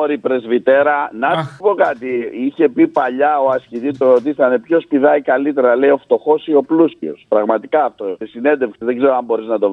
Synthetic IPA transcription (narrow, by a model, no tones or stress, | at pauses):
oɾipɾe̞zvit̪e̞ɾɐnɐt̪ipo̞kɐt̪iiçe̞pipɐʎɐo̞ɐscit̪ist̪oot̪ist̪ɐnepço̞spiðɐikɐlit̪e̞ɾɐle̞io̞ft̪o̞xo̞sio̞pluscḭospɾɐɣmɐt̪ikɐːft̪o̞sesine̞nd̪efkseðe̞ɡzeɾoɐmbo̞ɾiznɐt̪o̞